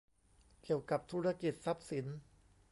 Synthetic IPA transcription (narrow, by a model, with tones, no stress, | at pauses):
ki˨˩əwka˨˩p̚t̪ʰuː˦˥ɾa˧ki˨˩t̪̚sa˧˦p̚si˩˦n